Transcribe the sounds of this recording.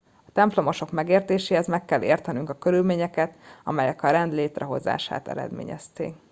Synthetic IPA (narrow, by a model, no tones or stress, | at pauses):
ɒt̪ɛmplo̞mo̞ʃo̞kmɛɡeːrt̪eːʃeːɦɛzmɛkːɛlːʔḛːrt̪ɛnyŋkɒkø̞ɾylmeːɲɛkɛt̪ɒ̰mɛjɛkɒɾɛnd̪leːt̪rɛɦo̞̰za̰ːʃa̰ːt̪ɛ̰ɾɛ̰d̪mḛːɲɛ̰st̪ḛːk